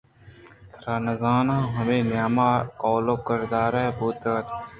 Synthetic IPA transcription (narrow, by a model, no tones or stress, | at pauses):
t̪ʰɾaːnɐzaːnãːɦɐmeːnjaːmaːkoːloːkəɾd̪aːɾɛːbuːt̪aːt̪